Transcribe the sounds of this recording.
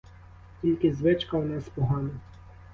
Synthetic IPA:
kʲilʲkɪzʋɪt͡ʃkɐwnɛspɔɦɑnɪ

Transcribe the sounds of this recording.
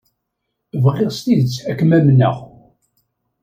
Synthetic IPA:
vʁeʁst̪iðət͡sːækːmæmnæ̰ʁ

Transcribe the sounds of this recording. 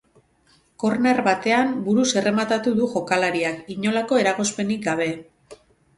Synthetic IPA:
ko̞ɾne̞rβat̪e̞ambuɾuse̞re̞mat̪at̪uðuʝo̞kalaɾiakiɲo̞lako̞e̞ɾaɣo̞spe̞nik̚ɡaβ̞e̞

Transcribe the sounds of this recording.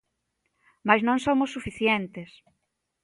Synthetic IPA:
majznõŋsomosːufiθjɛnt̪es

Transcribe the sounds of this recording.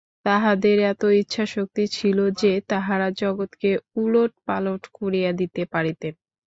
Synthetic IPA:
t̪aɦad̪eɾɛt̪oitːɕʰaʃok̚t̪it͡ɕʰilod͡ʑet̪aɦaɾad͡ʑɔɡot̪keuloʈ̚paloʈkoɾijad̪it̪epaɾit̪en

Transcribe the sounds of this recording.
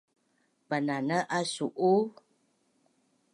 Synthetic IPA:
pənanəʔasuʔu

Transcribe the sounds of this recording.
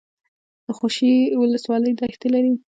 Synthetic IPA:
d̪̥əxoʃiwʊləswɑləjd̪ɑxt̪elaɾi

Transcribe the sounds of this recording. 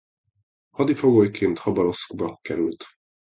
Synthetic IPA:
hɒd̪ifoɡoːjkʰeːnt̪hɒbɒɾo̞skbɒkɛɾylt̪

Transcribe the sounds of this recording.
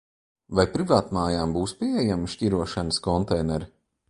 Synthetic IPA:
vajpɾivaːt̪maːjaːmbuːspʲiejamiʃcʲiɾuɔʃanəskɔnt̪ɛjnɛɾi

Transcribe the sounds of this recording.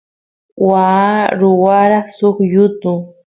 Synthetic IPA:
waːɾʊwaɾɑχsoχjʊt̪ʊ

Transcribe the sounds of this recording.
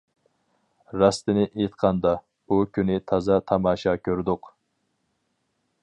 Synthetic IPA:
ɾɑst̪ɪnɪʔet̪qʰɑnd̪ɑ | bukʲʰynɪt̪ʰɑzɑt̪ʰɑmɑːʃɑkʲʰøɾd̪ʊq

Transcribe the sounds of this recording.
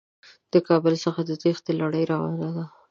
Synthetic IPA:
d̪̥əkɑbəlsəxad̪ət̪ixd̪əlaɽəjɾɑwa̰nzad̪a

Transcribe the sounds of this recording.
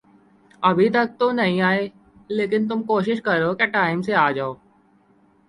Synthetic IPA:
ɐbʱit̪ɐk̚t̪onɐɦĩaːeː | leːkɪnt̪̬ʊmkoːʃɪʃkɐɾoːkeʈaːɪmseaːd͡ʒaːoː

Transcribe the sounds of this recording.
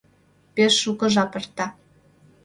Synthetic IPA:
peʃːukɤ̆ʒɑpɤ̆rt̪ɑ

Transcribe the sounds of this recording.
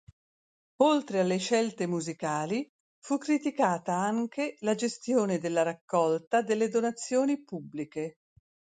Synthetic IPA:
olt̪ɾealːeʃɛlt̪emuzikaːli | fukːɾit̪ikaːt̪aaŋkelad͡ʒest̪joːned̪elːaɾakːɔlt̪ad̪elːed̪onat̪sːjoːnipubːlike

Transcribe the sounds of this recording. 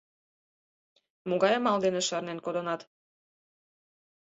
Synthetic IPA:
moɣɑjɑmɑld̪eneʃɑrnenkod̪onɑt̪

